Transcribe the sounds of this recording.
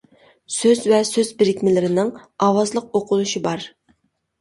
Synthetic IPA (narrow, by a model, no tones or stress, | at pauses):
søzvɛsøzbɪɾɪkʲmɪlɪɾɪnɪŋɑːwɑzlˠəq̚oqʰʊlˠuʃibɑɾ